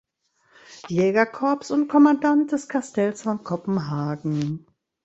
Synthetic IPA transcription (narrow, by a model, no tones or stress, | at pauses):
jɛːɡɐkʰɔɐpsʊntkʰɔmandant̚d̥ɛskʰastʰɛlsfɔnkʰɔpm̩ɦaːɡŋ̩